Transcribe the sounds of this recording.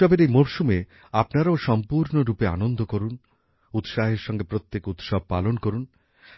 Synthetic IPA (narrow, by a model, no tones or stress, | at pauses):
ɔbeɾejmoɾʃume | apnaɾaoʃɔmpuɾnoɾupea̰nond̪ʱokoɾun | ut̪ʃaɦeɾʃɔŋɡepɾot̪ːjekut̪ʃɔb̚ʱpalonkoɾun